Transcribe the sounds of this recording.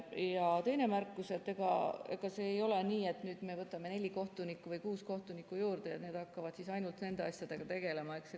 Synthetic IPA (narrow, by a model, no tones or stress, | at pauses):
jɑt̪e̞jne̞mærkːˑuse̞t̪ːˑe̞ɡ̥ɑ̰e̞̰ɡ̥ɑse̞ːjo̞le̞niːe̞t̪ːnyːd̪̥me̞vɤt̪ːˑɑme̞ne̞lʲiko̞ht̪unikːˑuvɯjkuːsko̞ht̪unikːˑujuːɾd̪e̞jɑt̪ne̞ːd̪̥hɑkːɑvɑd̪sisɑjnult̪ne̞nd̪e̞ɑsjɑd̪̥e̞ɡ̥ɑt̪e̞ɡ̥e̞le̞mɑekse